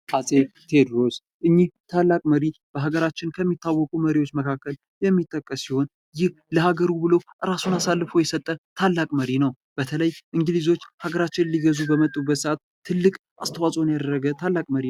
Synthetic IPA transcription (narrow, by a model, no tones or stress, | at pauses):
hasʼet̪ʰe̞d̪ɾo̞s | ʔɨɲːiht̪ʰalːakʼməɾib̥əɦaɡəɾat͡ʃːɪnkʰəmːit̪ːawːɔkʼuməɾiwo̞t͡ʃːməkʰakːəl | jɛmːit̪ʼːəkʼːəsːiho̞n | jɪh | ləhaɡəɾubɨlowʔɨɾasunasalːɨfojɛsət̪ʼːət̪ʰalːakʼməɾinəw | b̥ət̪ʰələjʔɨŋɡɨlizo̞t͡ʃːhaɡəɾat͡ʃːɪnliɡəzubəmət̪ʼːubːət̪səat̪̚ | t̪ʰːɨlːɨkʼ | ʔast̪ʰəwasʼonjad̪əɾːəɡət̪ʰalːakʼməɾi